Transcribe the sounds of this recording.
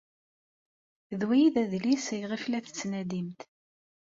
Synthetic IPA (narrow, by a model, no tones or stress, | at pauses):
ðwæjiðæðlisəjʁiflæθə̥t͡sːnæd̪imt̪